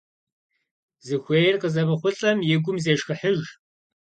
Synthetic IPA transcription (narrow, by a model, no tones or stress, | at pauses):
zɨxʷeːjrqəzɐmɨχʷʊɬʼɐmjɪɡʷʊmzeːʂxɨħəʒ